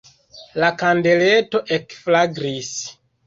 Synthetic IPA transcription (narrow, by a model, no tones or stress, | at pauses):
lakande̞leto̞ʔekflaɡɾis